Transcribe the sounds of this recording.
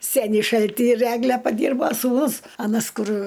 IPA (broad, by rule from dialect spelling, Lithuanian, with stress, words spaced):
ˈsʲæːnʲiː ˈʃɐlʲtʲiː ɪr ˈæːɡlʲɛ pɐˈdʲiːrboː suːˈnʊs ɐˈnɐs ˈkʊr